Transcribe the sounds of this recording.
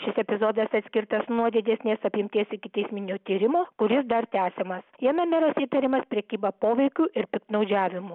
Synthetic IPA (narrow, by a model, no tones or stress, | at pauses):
ʃʲɪsɛpʲɪzoːd̪ɐsɐt̪ʲsʲkʲɪɾt̪ɐsnuɔd̪ʲɪd̪ʲɛsʲnʲeːsɐpʲjɪmʲt̪ʲiːsɪkʲɪt̪ʲɛɪsʲmʲɪnʲoːt̪ʲiːɾʲɪmoːkʊɾʲɪsd̪ɐɾt̪ʲæːsʲemɐsjiɛmʲɛmʲɛɾɐsiːt̪ɐɾʲɪmɐspʲɾʲɛkʲiːbɐpoːʋʲɛɪkʲuːʔɪɾpʲɪk̚t̪nɐʊd͡ʒʲæːʋʲɪmu